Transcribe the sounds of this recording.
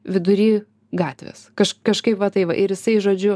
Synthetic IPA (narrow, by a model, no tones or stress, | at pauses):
ʋʲɪd̪ʊɾʲiː | ɡɑːt̪ʲʋʲḛskɐʃkɐʃkɐɪpʋɐt̪ɐɪʋɐʔɪɾjɪsɐɪʒoːd͡ʒʲʊ